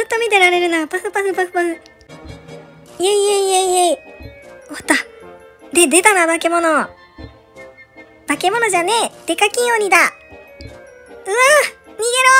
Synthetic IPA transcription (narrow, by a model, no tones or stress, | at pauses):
zɨt̪ːo̞mʲit̪e̞ɾaɾe̞ɾɯ̟napasɨpasɯpaɸɯ̥paɸɯ̟ | jeijeijeije | ot̪ːa | d̪ed̪e̞t̪anabake̞mo̞no̞ | b̥ake̞mo̞no̞ʑane̞d̪̥e̞kakʲĩɰ̃oɲ̟id̪a | ɯ̟mʲiɡe̞ɾo